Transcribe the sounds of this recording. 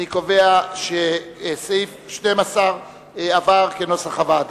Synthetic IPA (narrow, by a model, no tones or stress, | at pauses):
nikoveaʃesejfʃtejmasaʁ | avaʁkenosaχavad